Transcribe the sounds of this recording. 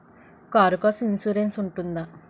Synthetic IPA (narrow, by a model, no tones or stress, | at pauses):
kaːɾkosinsuɾensuɳʈund̪a